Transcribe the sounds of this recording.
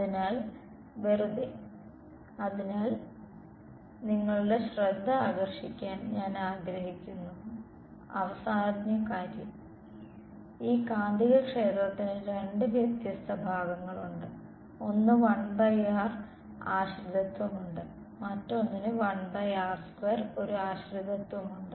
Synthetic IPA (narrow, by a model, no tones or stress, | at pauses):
ɐðinaːl | ʋerud̪i | ɐðinaːl | niŋːɐɭuɽe̞ɕred̪ʱːɐaːɡɐrʂikʲːaːnɲaːnaːɡɾɐɦikʲːunːu | ɐ̰ʋɐsaːɐd̪njɐkaːɾjɐm | iːkaːnd̪ʱiɣɐkʂe̞ːt̪rɐt̪ːinɨɾe̞ɳɖɨʋjɐk̚t̪jɐst̪ʰɐbʱaːɡɐŋːɐɭuɳɖɨ | o̞nːɨʋɐɳbɐjaːr | aːɕrid̪ʱɐt̪wɐmuɳɖɨ | mɐtːonːinɨʋɐɳbɐjaːrskweːro̞ɾuaːɕrid̪ʱɐt̪wɐmuɳɖɨ